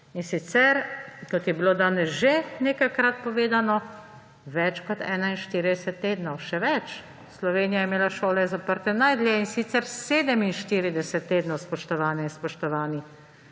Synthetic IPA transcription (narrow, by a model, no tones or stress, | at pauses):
insit̪sɛɾkɔt̪jɛbilod̪aːnɛsʒeneːkajkɾat̪̚pɔʋeːd̪anɔ | ʋɛt͡ʃkɔt̪ɛːnainʃt̪iːɾid̪ɛsɛt̪ːeːd̪nɔwʃɛʋɛt͡ʃ | slɔʋeːnijajɛmeːlaʃoːlɛzapəɾt̪ɛnajd̪lʲjɛinsit̪sɛɾseːd̪ɛminʃt̪iːɾid̪ɛsɛt̪ːeːd̪nɔwspɔʃt̪ɔʋaːnɛinspɔʃt̪ɔʋaːnix